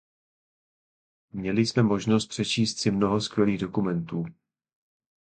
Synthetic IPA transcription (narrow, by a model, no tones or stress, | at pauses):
mɲɛlɪsmɛmo̞ʒnost̪pr̝̥ɛt͡ʃiːst̪sɪmno̞ɦoskvjɛliːɣdo̞kumɛnt̪uː